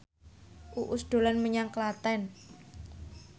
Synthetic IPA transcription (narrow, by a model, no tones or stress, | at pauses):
ʔuʔʊsd̪̥o̤lanməɲaŋklat̪ɛn